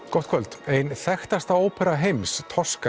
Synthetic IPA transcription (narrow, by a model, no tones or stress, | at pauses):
kɔwht̪kʰvœlt̪ejnθɛxt̪ast̪aoːwpʰɛɾaɦejmst̪ʰɔ̥ska